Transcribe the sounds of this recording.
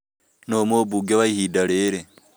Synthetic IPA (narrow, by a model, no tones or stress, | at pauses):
nomobuɡaβaihidaɾeːɾe